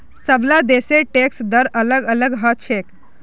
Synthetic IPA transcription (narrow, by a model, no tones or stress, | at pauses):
səʋlad̪eseʈeksd̪əɾələɡələɡɦət͡ɕʰek